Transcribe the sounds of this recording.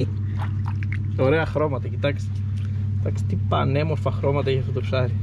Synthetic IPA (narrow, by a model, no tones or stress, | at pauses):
o̞ɾe̞ɐxɾo̞mɐt̪ɐcit̪ɐkst̪ee̥ | t̪ɐkst̪et̪ipɐne̞moɾfɐxɾo̞mɐt̪ɐeçɐft̪ot̪opsɐɾi